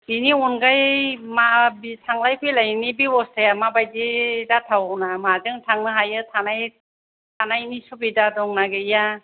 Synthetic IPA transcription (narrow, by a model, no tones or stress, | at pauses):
diniɔnɡajmabitʰaŋlajkʰɯjlajnibiwɔstʰajamabajdidatʰawwnamazɯŋtʰaŋnɯɦajɯtʰanaj | tʰanajnisubidadɔŋnaɡɯija